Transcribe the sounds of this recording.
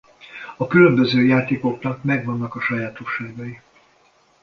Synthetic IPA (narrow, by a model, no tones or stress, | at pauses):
ɒkylømbøzøːjaːt̪eːko̞knɒkmɛɡʋɒnːɒkɒʃɒjaːt̪o̞ʃːaːɡɒji